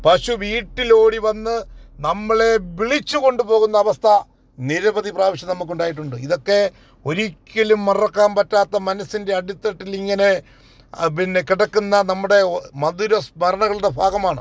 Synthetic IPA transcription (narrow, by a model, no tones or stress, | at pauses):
pɐʂuʋiːʈːilo̞ːɽiʋɐnːɨnɐmːɐɭe̞biɭit͡ɕːuko̞ɳɖupo̞ːɣun̪ːɐːʋɐst̪ʰɐ | niɾɐbɐðipraːʋiɕjɐnɐmːuk̬ːuɳɖaːjiʈ̬ːuɳɖɨiðo̞kːe̞ | o̞ɾikʲːɐlumːɐrɐkːaːmpɐtːaːt̪ːɐmɐnɐsinde̞ɐɽit̪ːɐʈːiliŋːɐne̞ | pinːekiɽɐkːunːɐnɐmːuɽe̞mɐðuɾɐsmɐɾɐɳɐɣɐɭuɽe̞bʱaːɣɐmaːɳɨ